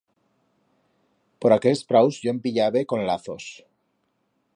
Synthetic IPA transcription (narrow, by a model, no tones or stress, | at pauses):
po̞ɾakelspɾawzʝoempiʎaβeko̞nlaθo̞s